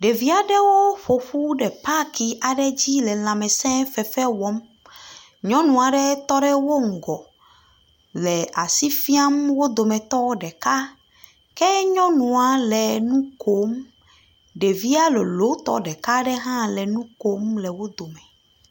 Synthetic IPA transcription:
ɖe˨vi˦a˨ɖɛ˦wo˦ɸo˨ɸu˦ɖɛ˨pa˦ki˨ʔa˨ɖɛ˦d͡ʑi˦lɛ˨l̃ã˨mɛ̃˨sɛ̃˦fɛ˨fɛ˦wɔ˨˦m | ɲɔ̃˦nũ˨a˨ɖɛ˦t̪ɔ˦ɖɛ˦wo˦ŋ̩˨ɡɔ˨ | lɛ˨ʔa˨si˦fi˦a˦mwo˦d̪o˨mɛ̃˨t̪ɔ˦ɖɛ˨ka˦ | kɛ˦ɲɔ̃˦nũ˨a˨lɛ˨nũ˦ko˦m | ɖe˨vi˦a˦lo˨lo˨˦t̪ɔ̰˦ɖɛ˨ka˦ɖɛ˦ɦã˦lɛ˨nũ˦ko˦mlɛ˨wo˦d̪o˨mɛ̃˨

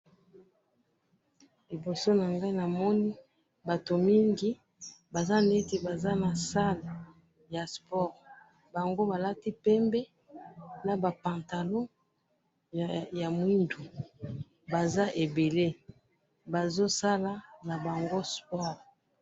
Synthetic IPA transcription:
li˨bo˨so˦na˨ŋɡa˦i˦na˨mɔ˦ni˦ | ba˨to˨mi˦ŋɡi˦ | ba˨za˦n˨e˦te˨ba˨za˦na˨sa˦l | ja˨spɔ˦˨ʁ | ba˨ŋɡo˦ba˨la˦ti˦pɛ˦mbɛ˦ | na˨ba˨pã˨nta˨lo˦˨ | ja˨mwi˦ndu˨ | ba˨za˦ʔe˨be˨le˦ | ba˨zo˦sa˦la˦na˨ba˨ŋɡo˦spɔ˦˨ʁ

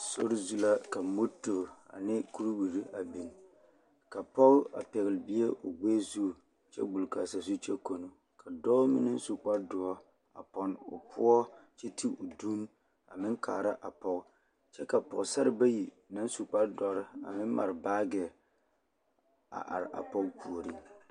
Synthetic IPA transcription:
so˦ɾɪ˦zu˦la˦ka˨mo˦to˨a̰˨nɪ˦ku˦ɾbu˨ɾi˦a˨bi˨n | ka˨pɔ˦ɣʊ˦a̰˨pɛ˨ɣɪ˨lɪ˨bi˦e˦ʔʊ˨ɡ͡beː˦zu˦˨ | t͡ʃɛ̰˦ɡ͡bu˨lka˨sa˨zu˦t͡ʃɛ˦ko˨no˨ | kʰa˨dɔː˦mɪ˦nɪ˦n˦su˨k͡pa˦dʊ˨ɔ˦ | a̰˨pɔ˦nʊ̰˨pʰʊ̰˦ɔ˦t͡ʃɛ˦ti˦ʊ˨du˦n | a̰˨mɪ˦ŋkʰa̰ː˨ɾa˦ʔa˨pɔ˦ɣ | t͡ʃɛ˦ka˨pɔ˨ɣsa˦ɾɪ˦ba˦ji˨ | na˦n˦su˨k͡pa˦dɔ˨ɾɪ˦a̰˨mɪ˦n˦ma̰˨ɾbaː˦ɡɛ˨ | a̰˨ʔa̰˨ɾɪ˨ʔa̰˨pɔ˦ɡpu˨o˨ɾi˦

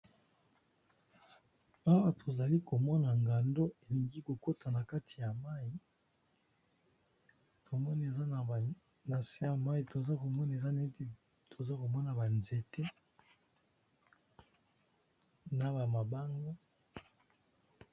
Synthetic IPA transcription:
a˦wa˦tʰo˨za˨li˦ko˨mɔ˦na˨ŋɡa˨ndo˦e˨li˨ŋɡi˦ko˨ko˦ta˨na˨ka˦tʰi˨ja˨ma˦ji˨ | tʰo˨mɔ˦n˨e˨za˦˨ | na˨se˦ja˨ma˦i˨to˨za˦ko˨mɔ˦n˨e˨za˦ne˦te˨ | tʰo˨za˦ko˨mɔ˦na˨ba˨nze˨te˦ | na˨ba˨ma˨ba˦ŋɡo˦

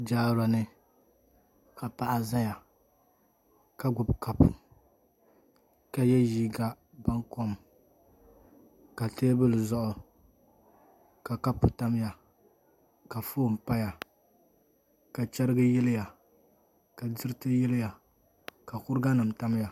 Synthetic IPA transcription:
d͡ʒaː˦ɾa˨nɨ˦ | ka˨pa˨ʔa˦za˦ja˨ | ka˦ɡʊ˨bka˦pʊ˨ | ka˨jɛ˦jiː˦ɡa˦ | ba˦ŋko˦m | ka˨teː˦bɨ˦lɨ˨zɔ˦ʔʊ˦ | ka˨ka˦pːʊ˨ta˦m˦ja˨ | ka˨foː˦˨m˨pa˦ja˨ | ka˨t͡ʃɛ˦ɾɨ˦ɡɨ˦jɛ˦lɪ˦ja˨ | ka˨dɨ˦ɾɨ˦tɨ˦jɛ˦lɪ˦ja˨ | ka˨kʊ˦ɾɨ˦ɡa˦nɨ˨mta˦m˦ja˨

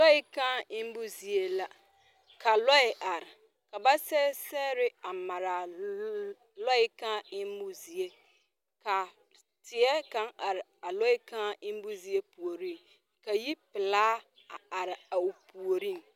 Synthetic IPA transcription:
lɔ˦ɪ˦kã˦ɪ˦m̩˦bʊ˦zi˨e˦la˦ | kʰa˨lɔ˦ɪ˨ʔa˨ɾɪ˨ | ka˨ba˦sɛ˦sɛ˦ɾɪ˦a˨ma˨ɾa˨ | lɔ˦ɪ˦kã˦ɪ˦m̩˦bʊ˦zi˨e˦ | kʰa˨ | tʰɪ˨ɛ˦kã˦a˨ɾɪ˨a˨lɔ˦ɪ˦kʰã˦ɪ˦m̩˦bʊ˦zi˨e˦pʰu˨o˨ɾĩ˦˨n | kʰa˨ji˦pɪ˨laː˦ | a˨a˨ɾɪ˨a˨u˨pʰu˨o˨ɾĩ˦n˨

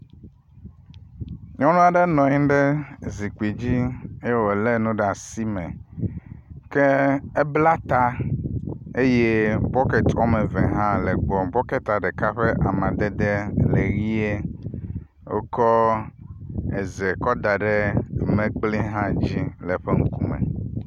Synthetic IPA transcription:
ɲɔ̃˦nũ˦a˨ɖe˦nɔ̃˨ɲĩ˦ɖe˦zi˨k͡pi˨d͡ʑi˦e˦je˦wo˨le˦nũ˦ɖɛ˦˨a˨si˦mɛ̃˨ | ke˦e˦bla˦t̪a˦ | e˦je˦bɔ˦kɛ˨t̪ʰɔ˦mẽ˨vɛ̃˨ɦã˦lɛ˨ɡ͡bɔ˨bɔ˦ke˦t̪a˨ɖɛ˨ka˦ɸe˦ʔa˨mã˨d̪e˦d̪e˦le˨ɣi˦e˦ | wo̰˦kɔ˦ | e˨zɛ˨kɔ˦d̪a˨ɖe˦˨mẽ˨k͡pli˦ɦã˦d͡ʑi˦lɛ˨ɸe˦ŋ̩˦ku˦mḛ˨

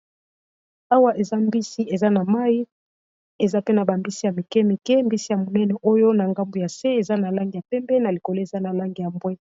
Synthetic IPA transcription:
a˦wa˦ʔe˨za˦mbi˦si˦e˨za˦na˨ma˦i˦ | e˨za˦pe˦na˨ba˨mbi˦si˦ja˨mi˨kɛ˦mi˨kɛ˦mbi˦si˦ja˨mo˨nɛ˦nɔ˨ʔo˦jo˦na˨ŋɡa˦mbo˨ja˨se˦e˨za˦na˨la˦ŋɡi˨ja˨pɛ˦mbɛ˦na˨li˨ko˨lo˦e˨za˦na˨la˦ŋɡi˨ja˨mbwɛ˦

